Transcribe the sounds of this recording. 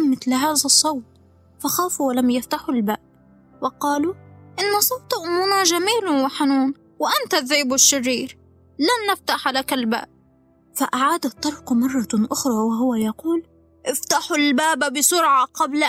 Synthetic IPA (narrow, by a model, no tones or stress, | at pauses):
mɪθlɦaːðasˤːɑwt̪̚ | faxaːfuwalamjaft̪aħʊlbaːb̚ | wɪqɑːluʔɪnːasˤɑwt̪ˤʔʊmːʊnaʒamiːlwɪħanuːn | wɪʔant̪aðːiːbɪʃːɪrːiːɾ | lanːaft̪aħalakalba̰ːb̚ | faʔaʕaːd̪at̪ˤːɑɾˤqmɑrˤːɑʔʊxɾˤɑwɪɦʊwajɑquːl | ʔɪft̪aħʊlbaːbabɪsʊɾʕaqɑbl